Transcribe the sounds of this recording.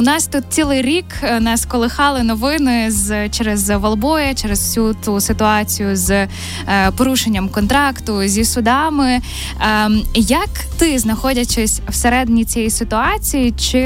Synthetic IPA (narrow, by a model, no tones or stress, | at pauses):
ʊnɑst̪ut̪̚t͡sʲilˠɪjɾʲiknɑskɔlˠɪxɑlˠɪnɔʋɪnɪzt͡ʃɛɾɛzʋɐlˠbɔjɐt͡ʃɛɾezwsʲut̪usɪt̪ʊɑt͡sʲijʊz | pɔɾuʃenʲːɐmkɔnt̪ɾɑkt̪ʊzʲisʊd̪ɑmɪ | jɐk | t̪ɪznɐxɔdʲɐt͡ʃɛsʲwseɾɛd̪enʲit͡sʲɛjisɪt̪ʊɑt͡sʲijit͡ʃɪ